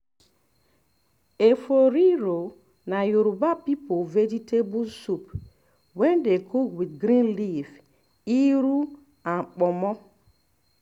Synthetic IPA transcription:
efoɾiɾo | najoɾubapipoved͡ʒitebusup | wɛndekʰoɡwidɡɾĩnliv | iɾu | aŋ͡m̩k͡pɔmɔ

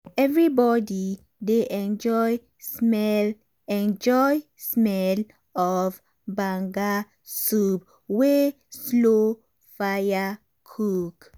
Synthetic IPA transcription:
ɛvɹibɔdi | deʔɛ̃nd͡ʒɔj | smɛl | ɛ̃nd͡ʒɔjsmɛl | ɔv | bãŋɡa | sup̚ | we | slo | faja | kʰuk

